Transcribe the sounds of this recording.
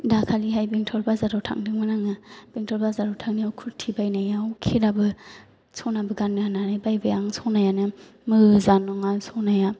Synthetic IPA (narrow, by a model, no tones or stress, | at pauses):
dakʰaliɦajbeŋtʰɔlbazaɾɔwtʰa̰ŋdɯŋmanaŋɯb̥eŋtʰɔlbazaɾɔwtʰaŋniawkʰuɾtʰibajnajawkʰeɾabɯ | sʰɔnabɯɡanːɯananajbajbɯjaŋsɔnajanɯ | mɯzanɔŋasɔnaja